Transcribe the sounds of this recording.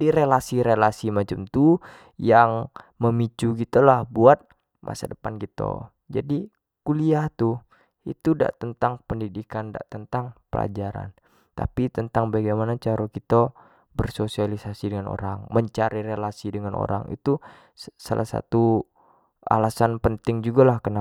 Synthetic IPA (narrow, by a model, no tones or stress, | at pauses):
diɾelasiɾelasimat͡ʃamt̪u | jaŋməmit͡ʃuɡit̪ulahbuat̪̚ | mʔa̰sa̰dəpankit̪o̰ | d͡ʒadi | kuliaht̪u | ḭt̪uda̰ʔt̪ənt̪aŋpəndidikanda̰ʔt̪ənt̪aŋpəla̰d͡ʒaɾa̰n | t̪a̰pit̪ənt̪aŋbaɡajmanat͡ʃaɾokit̪a | bərsosialisasidəŋano̰ɾaŋməɲt͡ʃaɾirelasidəŋanʔo̰ɾa̰ŋḭt̪u | salʔa̰hsa̰t̪u | a̰lasanpənt̪ɪŋd͡ʒuɡalahkəna